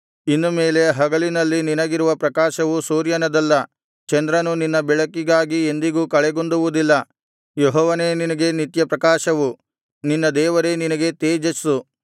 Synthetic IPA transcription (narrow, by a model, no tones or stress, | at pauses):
inːumeːle̞ɦɐɡɐlinɐlːininɐɡiɾuʋɐpɾɐkaːʃɐʋusuːɾjɐnɐd̪ɐlːɐ | t͡ʃɐnd̪ɾɐnuninːɐbɛɭɐkːiɡaːɡie̞nd̪iɡuːkɐɭɛɡond̪uʋud̪ilːɐ | jeɦɔːʋɐne̞ːninɐɡe̞nit̪jɐpɾɐkaːʃɐʋu | ninːɐd̪ɛːʋɐɾe̞ninɐɡe̞t̪eːd͡ʒɐsu